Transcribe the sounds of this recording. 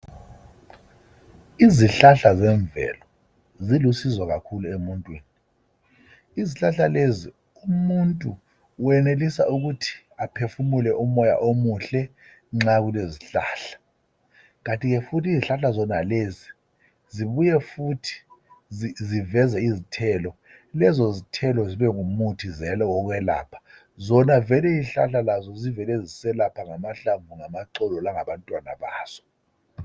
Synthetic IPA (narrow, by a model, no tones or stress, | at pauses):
iziɬaɬazɛɱbvɛ̰lɔ | zilusizwaɣakʰuluemuntʼwiːni | iziɬaɬalezi | umuntʼu | wɛnelisaʔuɣutʰi̥ | apʰefumulɛʔumɔja̰ʔomuɬɛ | ŋ͡ǁaɣuleziɬa̰ːɬḁ | ɣantʼiɣɛfutʰiziɬaɬazɔnaleːzi | ziβujɛfutʰi̥izivɛzɛizitʰɛːlɔ | lɛzɔzitʰɛlɔziβɛŋumutʰizɛlɔwɔk̬wɛla̰ːpʰḁ | zɔnavɛlɛizɬa̰ɬalazɔzivɛlɛzisɛlapʰaŋamaɬaɱvuŋamaǀɔlɔlaŋaβantʼwana̰βaːz̥ɔ̥